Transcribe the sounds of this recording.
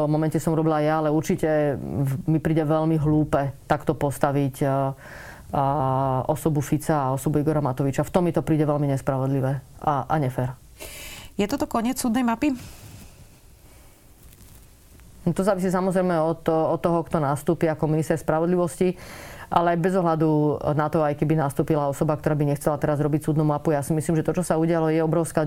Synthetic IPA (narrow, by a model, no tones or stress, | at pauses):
ɔmɔmɛncɛsɔmɾɔbilajaːlɛuɾt͡ʃicɛ | mipɾiːɟɛʋɛlmiɦluːpɛt̪akt̪ɔpɔst̪aʋic | ɔsɔbufit͡saːɔsɔbuiɡɔɾamat̪ɔʋit͡ʃaft̪ɔmːit̪ɔpɾiːɟɛʋɛlmiɲɛspɾaʋɔd̪liʋɛaʔa̰ɲɛfɛɾ | jɛt̪ɔt̪ɔkɔɲɪɛt͡ssuːd̪nɛjmapi | t̪ɔzaːʋisiːs̬amɔzɾɛjmɛɔt̪ɔt̪ːɔɦɔkt̪ɔnaːst̪uːpiakɔminist̪ɛɾspɾaʋɔd̪liʋɔsciʔa̰lɛajbɛzɔɦlad̪unat̪ɔajkɛbinaːst̪uːpilaɔsɔbak̚t̪ɔɾaːbiɲɛxt͡sɛlat̪ɛɾazɾɔbict͡suːd̪numapujaːsimisliːmʒɛt̪ɔt͡ʃɔsauɟɪalɔjɛɔbɾɔʊska